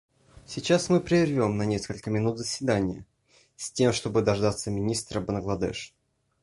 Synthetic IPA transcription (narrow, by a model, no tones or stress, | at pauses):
sʲɪt͡ɕasmɨpɾʲɪɪrvʲo̞mnɐnʲe̞skəlʲkəmʲɪnut̪zəsʲvʲɪd̪anʲɪjə | sʲtʲe̞mʂt̪o̞bɨd̪ɐʐd̪at̪səmʲɪnʲist̪ɾəbənɡlˠɐd̪ɛ̰ʂ